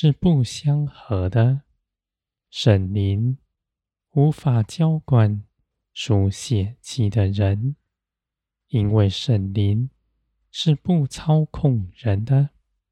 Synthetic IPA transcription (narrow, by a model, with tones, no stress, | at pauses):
ʂɻ̩˥˧pu˥˩ɕjɑ˥ŋxɤ˧˥d̪ə˧ | ʂə˨˩nli˧˥n | u˧˥fa˨˩˦t͡ɕjɑ˥ʊkwa˨˩n | ʂu˨˩ɕjɛ˨˩t͡ɕʰi˧˥d̪ə˧ɻə˧˦n | i˥nwe˥˩ɪʂə˨˩nli˧˥n | ʂɻ̩˥˧pu˥˩t͡sʰɑ˥ʊkʰʊ˥˩ŋɻə˧˦˥nd̪ə˧